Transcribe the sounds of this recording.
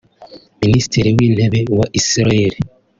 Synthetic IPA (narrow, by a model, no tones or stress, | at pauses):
minisi̥tiɾiwiːn̥heβewaʔisiɾaeɾi